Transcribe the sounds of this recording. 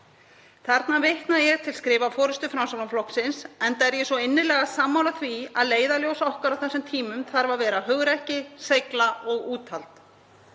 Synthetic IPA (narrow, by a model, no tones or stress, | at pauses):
θɛɾt̪navɪht̪najɛɣt̪ʰɪlskɾɪːvafɔːɾʏst̪ʏfɾamsawlamflɔhksɪnsɛnt̪aɛɾjɛsɔɪnːɪlɛːɣasaːmːawlaθvia̰ðleːjðaljowsɔhkʏɾawθɛsːɪmt̪ʰiːmʏmθaɾvavɛːɾaɦœɣɾɛhcɪsejklaɔɣuːt̪ʰalt̪